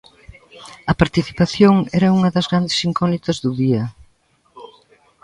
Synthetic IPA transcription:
ɐpaɾt̪iθi̥paθjoŋɛɾɐuŋɐðɐzɣɾand̪eɪsiŋkɔnit̪ɐzðuðiɐ

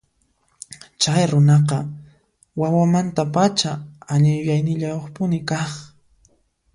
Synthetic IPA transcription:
t͡ʃajɾʊnɑqɑ | wawamant̪apat͡ʃaaʎɪjʊjajnɪʎajoχpʊnɪkɑχ

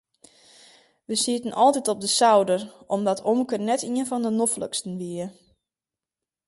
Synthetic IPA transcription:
ʋəsiətənʔɔlˠtitop̚dəsawdəromdɔtʰomkərnɛtiənfɔndənoflə̰kstən̩ʋiə

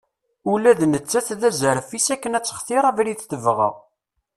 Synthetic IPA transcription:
ulæðnət͡sːæθðæzəɾəfisækːənæt͡sːə̥χθɪɾˤævɾiθθəvʁə̰ʁ

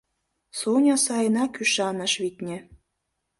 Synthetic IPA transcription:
sonʲɑsɑjənɑkyʃɑnə̆ʃβit̪ʲnʲĕ

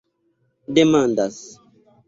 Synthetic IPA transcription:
demãndas

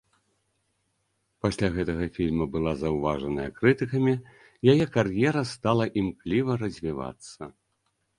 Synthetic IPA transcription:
pasʲlʲaɣɛt̪ɐɣɐfʲilʲmɐbɨlˠazɐwvaʐɐnɐjɐkɾɨt̪ɨkɐmʲi | jajɛkarjɛɾɐst̪alˠɐʔimklʲivɐɾɐzʲvʲiva̰t̪sːɐ

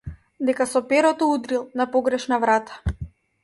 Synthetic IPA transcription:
d̪ɛkasɔpɛɾɔt̪ɔud̪ɾilˠnapɔɡɾɛʃnavɾat̪ḁ

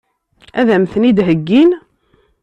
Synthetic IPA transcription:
æðæmθnid̪ɦəɡːin

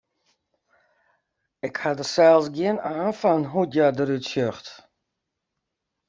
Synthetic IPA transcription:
ɪkhadəsɛlˠsɡiənaːnfanɦudjadəɾytsøxt

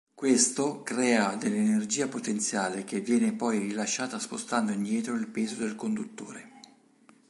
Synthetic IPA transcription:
kwest̪okɾɛːad̪elːenerd͡ʒiːapot̪ent̪sjaːlek̟evːjɛːnepɔjrilaʃːaːt̪aspost̪and̪oind̪jɛːt̪ɾoilpeːzod̪elkond̪ut̪ːoːɾe

